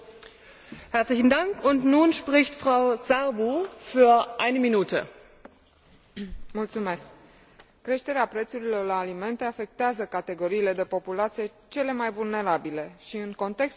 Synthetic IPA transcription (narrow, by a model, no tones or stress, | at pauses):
hɛɐslɪçn̩daŋkʊntnuːnʃpʁɪçtfʁ̥aʊzaʁbufyːɐʔaɪnəminuːtʰə̰ | mult̪sume̞sk̚ː | ɾe̞ʃt̪e̞ɾeapɾe̞t̪suɾilo̞rlaːlime̞nt̪e̞afe̞k̚t̪eazəkat̪e̞ɡo̞ɾiːle̞d̪e̞po̞pulat̪sije̞t͡ʃe̞le̞majvulne̞ɾabile̞ʃiɨŋko̞nt̪e̞ks